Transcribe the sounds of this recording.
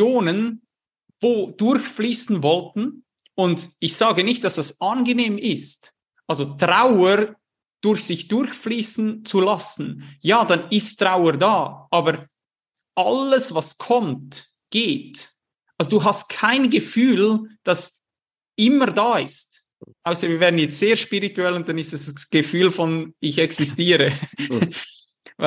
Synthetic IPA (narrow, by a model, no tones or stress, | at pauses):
joːnən | v̥oːd̥ʊɾçfliːsn̩vɔltn̩ | ʊndɪçz̥aːɡənɪçt̚d̥asd̥asʔanɡəneːmɪst | ʔalzotʁaʊəɾ | d̥ʊɾçsɪçd̥ʊɾçfliːsn̩t͡sulasn̩jaːdanɪsttʁ̥aʊədaːʔaːbəɾ | ʔaləsvaskʰɔmt | ɡ̥eːt | ʔalzoduːɦast̚kʰaɪnɡəfyːld̥ɑs | ʔɪməɾdaːɪst | ʔaʊsəviːɐvɛːʁdnjɛt͡stz̥eːɐʃpiʁituɛlʊnt̚d̥anɪstɛsɡ̥əfyːlfɔnɪçɛksɪstiːɾə